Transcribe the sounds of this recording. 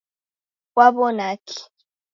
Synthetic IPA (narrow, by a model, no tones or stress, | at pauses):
kwaβɔnaki̥